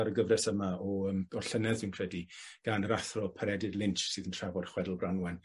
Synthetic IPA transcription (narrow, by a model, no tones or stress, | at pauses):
aɾəɡəvrɛsəmaɔəmɔrɬənɛðvɪwnkʰr̥ɛdiɡ̥anɾaθrɔpʰəɾɛdɪdlˠɪnt͡ʃsɨːðəntʰr̥avɔr̥χwɛdlˠbranwɛn